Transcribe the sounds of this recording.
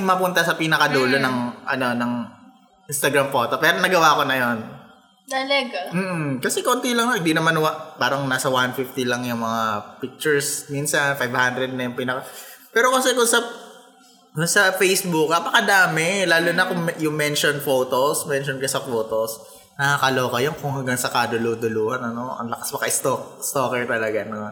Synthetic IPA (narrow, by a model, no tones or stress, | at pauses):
ŋmɐpʊnt̪ɐsɐpinɐkɐd̪uːlonɐŋʔɐ̰no̞nɐŋ | ʔinst̪ɐɡɾamfo̞ːt̪o̞pɛːɾonɐɡɐwaːko̞nɐjon | t̪ɐlɐɡam̩ːʔ̩kɐsɛkont̪ilɐŋnɐhɪnd̪inɐmanʊwaʔpaːɾɐŋnaːsɐwanfift̪ilɐŋjʊŋmɐŋapik̚t͡ʃʊɹsminsɐnfajvhand̪ɾɛd̪̚nɐjʊŋpinɐkɐpɛːɾokɐsɛkʊŋsɐ | kʊnsɐfejsbʊkːɐpɐkɐd̪aːmɪlaːlʊnɐkʊŋjʊŋmɛnʃonfoːt̪osmɛnʃonkɐsɐfoːt̪os | nɐakɐlo̞ːkɐjonkʊŋɦɐŋɡaŋsɐkad̪ʊluːd̪ʊluːhɐnɐno̞ɐ̰ŋlɐkɐspɐkaʔɪst̪ok̚st̪okɛɹt̪ɐlɐɡanon